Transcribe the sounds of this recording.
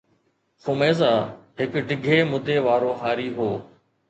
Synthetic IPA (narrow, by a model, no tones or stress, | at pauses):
xʊmeːzaːɦɪkɖʱɪɡʱeːmʊd̪ʱeːʋaːɾoːɦaːɾiːɦoː